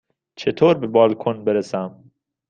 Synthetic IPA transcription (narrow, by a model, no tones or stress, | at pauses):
t͡ʃʰet̪ʰoːɾbebɒːlkʰonbeɾesæm